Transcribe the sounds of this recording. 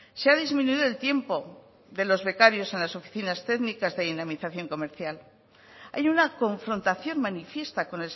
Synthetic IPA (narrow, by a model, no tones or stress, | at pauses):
seaðizmĩnuiðoe̞lt̪je̞mpo̞ | ðe̞lo̞zβe̞kaɾjo̞se̞nlaso̞fi̥θinast̪e̞ɣnikazðe̞ðinamiθaθjo̞ŋko̞me̞ɾθjal | ajunako̞ɱfɾo̞nt̪aθjo̞ŋmanifje̞st̪ako̞ne̞l